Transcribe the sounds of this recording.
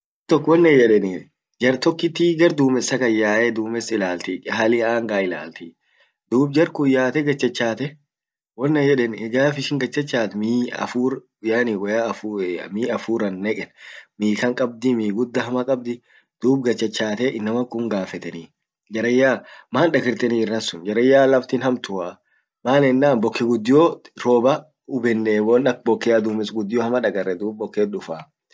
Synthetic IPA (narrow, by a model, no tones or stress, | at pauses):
t̪ɔkːwɔnːɛjɛᶑɛni | d͡ʒɐɾt̪ɔkːɪt̪ːiːɡɐɾd̪uːmɛsːɐkɐjːaːʔɛd̪uːmɛsɪlaːlt̪ikʼɪɦalɪaːŋɡaːɪla̰ːlt̪i | d̪uːb̚d͡ʒɐɾkʊjːaːt̪ɛɡɐt͡ʃːɐt͡ʃːaːt̪ɛ | wɔnːɛjɛᶑɛnɛɡaːfɪʃɪŋɡɐt͡ʃːɐt͡ʃːaːt̪miːɐ̰fuːɾ | ʊjaːniwɐjaːɐfumiːɐfuːɾɐnːɛkʼɛnmiːkɐŋkʼɐb̚d̪ɪmiːɡʊd̪ːɐɦɐmɐkʼɐb̚d̪ɪ | d̪̥uːb̚ɡɐt͡ʃːɐt͡ʃːaːt̪ɛʔɪnːɐmɐkːʊŋɡaːfɛt̪ɛniː | d͡ʒɐɾɐjːaːmaːnᶑɐɡɪɾt̪ɛniːɪrːɐnsʊnd͡ʒɐɾɐjːaːlɐft̪inhɐmt̪ʊha | maːlɛnːaːnbɔkːɪɡʊd̪ːɪjoɾoːbɐ | ʊbɛnːewɔnɐk̚bɔkːɪjaːd̪uːmɪsɡʊd̪ːɪjohɐmɐᶑɐɡɐrːɛd̪uːb̚bɔkːeːɗʊfaː